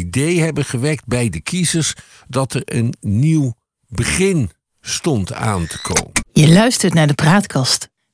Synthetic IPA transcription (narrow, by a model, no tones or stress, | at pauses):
idejɦɛbənχəʋɛɹk̚d̚bɛjdəkizəɹs | dɑtɛɹənːiw | bəχɪn | stɔnta̰ːntə̥kʰo̰wmənjəlœɥstəɹtnaːɹdəpraːtkʰɑst